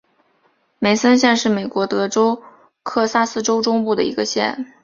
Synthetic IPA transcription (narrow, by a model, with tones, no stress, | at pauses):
me˧˥ɪsə˥nɕ̬jɛ˥˧nʂɻ̩˥˩me˨˩ɪkwɔ˧˥t̪ɤ˧˥ʈ͡ʂo˥ʊ | kʰɤ˥˩sa˥sɹ̩˥ʈ͡ʂo˥ʊʈ͡ʂʊ˥ŋpu˥˩d̪ə̰˩ḭ˧˥ɡə˧ɕjɛ̰˥˩n